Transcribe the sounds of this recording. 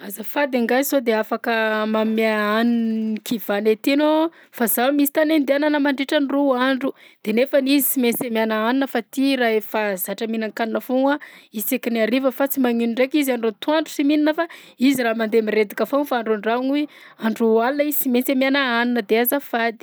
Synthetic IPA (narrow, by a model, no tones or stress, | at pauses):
azəfad̪aŋɡazsod̪eafakəmamaaninikʰivanet̪ieno | fazamisi̥t̪anend̪ananəmaɳɖ͡ʐeʈ͡ʂaniruaɳɖ͡ʐud̪̥enefanizisimensemjanaaninəfat̪iɾaefazaʈ͡ʂəminaŋkaninafoŋaisekiniaɾivəfat͡simaŋinuɳɖ͡ʐekizanɖ͡ʐot̪uaɳɖ͡ʐu̥simininəfa | iziɾaːmand̪emiɾed̪ikafonfaaɳɖ͡ʐuɳɖ͡ʐaŋu | aɳɖ͡ʐualinəiz̥simensemanaaninəd̪eazafad̪i̥